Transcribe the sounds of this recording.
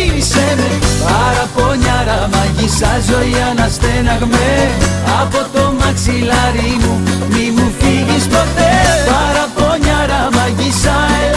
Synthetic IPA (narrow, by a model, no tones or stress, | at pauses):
ɾisemepɐɾɐpo̞ɲɐɾɐmɐʝisɐzo̞iɐnɐst̪enɐɣme | ɐpo̞t̪omɐksilɐɾimumimufiʝispot̪epɐɾɐpoɲɐɾɐmɐʝisɐe